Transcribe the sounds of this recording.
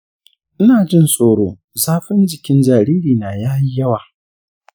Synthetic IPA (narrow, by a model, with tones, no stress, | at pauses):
ʔɪ˦naː˨d͡ʒɪ˦nsʼoː˨ɽoː˦ | zaː˦ɸɪ˦nd͡ʒɪ˨kʲɪ˦nd͡ʒaː˨ɾiː˦ɾiː˨na˨jaː˦ji˦jɐ˦waː˨